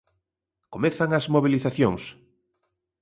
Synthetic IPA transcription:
komeθaŋɐzmoβiliθaθjoŋs

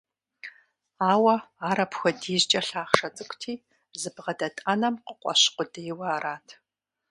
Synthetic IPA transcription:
aːwɐaːɾɐpxʷɐdiːʑt͡ʃʼɐɬaːχʂɐt͡sʼɨkʷʼtʰiː | zɨbʁɐdɐtʼɐnɐmqəqʷʼɔ̰ɕqʷʊdejwɐaːɾaːtʰ

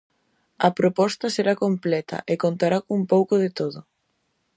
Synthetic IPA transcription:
ɐpɾopɔst̪ɐseɾakomplɛt̪ʰɐ̰ʔekont̪aɾakumpowkoðɪt̪oðʊ

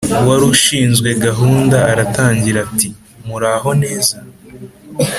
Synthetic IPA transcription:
waɾuʃiːnzɡwe̞ɡaɦuːndaːɾataːɲɟiɾati | muɾaːɦo̞ne̞ːza

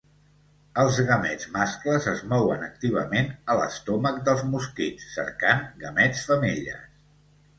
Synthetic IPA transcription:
əlˠzɣəmɛd͡zmaskləzəzmɔwənək̚t̪iβ̞əmenələ̰st̪ɔmək̚d̪əlˠzmuskit͡sːə̰ɾkaŋɡəmɛt͡sfəmiʎə̰s

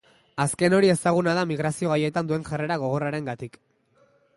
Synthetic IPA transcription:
aske̞no̞ɾie̞saɣ̞unað̞amiɣɾasio̞ɣaje̞t̪and̪ue̞ŋʝare̞ɾaɣ̞o̞ɣ̞o̞raɾe̞ŋɡat̪ik

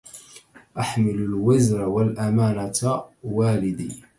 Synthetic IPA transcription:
ʔaħmɪlʊlwazɾawalʔamaːnat̪waːlɪd̪ḭː

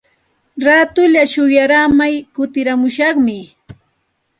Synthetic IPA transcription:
ɾaːt̪ʊʎaʃʊjaɾamajkʊt̪ɪɾamʊʃɑχmɪ

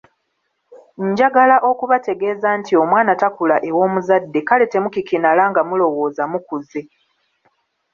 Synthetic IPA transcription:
ɲɟaɡalaʔo̞kuβate̞ɡe̞ːzaːntio̞mwaːnatakulaʔe̞wo̞ːmuzadːekale̞te̞mukikinalaŋɡamulo̞wo̞ːzamukuze̞

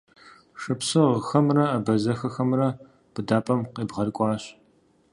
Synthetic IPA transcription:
ʂɨpsɨʁəxɐmrɐːbɐzɐxɐxɐmrɐ | b̥ɨdaːpʼɐmqeːbʁɐrkʷʼɑːɕ

